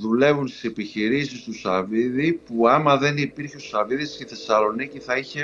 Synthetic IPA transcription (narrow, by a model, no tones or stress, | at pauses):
ðule̞vunst̪i̥sepiçiɾisist̪usɐviðipuɐmɐðe̞nipiɾçeo̞sɐviðisceθe̞sɐlo̞niciθɐiçe